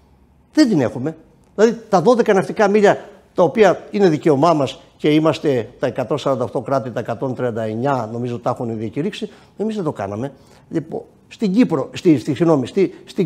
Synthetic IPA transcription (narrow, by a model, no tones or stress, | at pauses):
ðend̪ine̞̰xume̞ | ðilɐðit̪ɐðo̞ðe̞kɐnɐxt̪ikɐmiʎɐ | t̪ɐopiɐine̞ðice̞o̞mɐmɐs | ce̞imɐst̪e̞t̪ɐe̞kɐt̪o̞nsɐɾɐnd̪ɐoxt̪o̞kɾɐt̪it̪ɐekɐt̪o̞nt̪ɾiɐnd̪ɐe̞ɲɐno̞mizot̪ːɐxuneðiɐciɾiksi | e̞mizðe̞t̪o̞kɐ̰nɐme̞ | ʎipo̰ | st̪iɲɟipɾo̞st̪ist̪isiɣno̞mist̪ist̪i